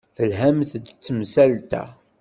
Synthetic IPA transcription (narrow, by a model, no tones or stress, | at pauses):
θəlɦæmθd̪t͡sːəmsælt̪æ̰